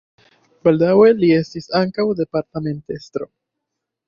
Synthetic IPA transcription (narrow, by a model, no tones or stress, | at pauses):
bald̪aweliest̪isaŋkawðepaɾt̪amẽnt̪est̪ɾo